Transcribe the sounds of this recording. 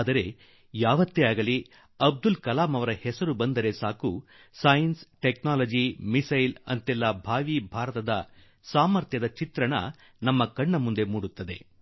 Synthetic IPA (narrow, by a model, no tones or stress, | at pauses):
d̪ɐɾe̞ | jaːʋɐt̪ːeaːɡɐli | ɐb̚d̪ulkɐlaːmɐʋɐɾɐhɛsɐɾubɐnd̪ɐɾe̞saːku | sɐjɐnsʈeknaːlɐd͡ʒimisɐjlɐ̰nt̪ɛlːɐbʱaːʋibʱaːɾɐt̪ɐd̪ɐ | saːmɐɾt̪jɐd̪ɐt͡ʃit̪ɾɐɳɐ̰ | nɐmːɐkɐɳːɐmund̪e̞muːɽut̪ːɐd̪e̞